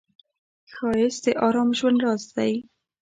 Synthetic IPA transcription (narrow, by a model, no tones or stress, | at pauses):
xɑjɪsd̪əʔɑɾɑmʒwand̪ɾɑzd̪aj